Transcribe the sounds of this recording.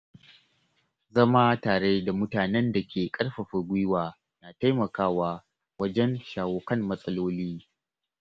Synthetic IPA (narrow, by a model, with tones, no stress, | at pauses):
zɐ˦ma˦taː˨ɽe˦da˨mʊ˦taː˨nɛ˦nda˨kʲʰeː˨kʼɐ˦ɽɸɐ˨ɸɐ˨ɡʷɪ˦waː˨ | naː˨ta˦jmɐ˨kaː˦waː˦ | wɐ˦d͡ʒɛ˦nʃaː˨woː˨kɐ˦˨mːɐ˦sʼɐ˦loː˦liː˦